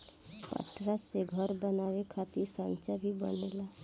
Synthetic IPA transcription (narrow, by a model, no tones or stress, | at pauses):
pə̰ʈɾaseɡʱəɾbənawekʰat̪iɾsənt͡ʃəbʱibə̰nela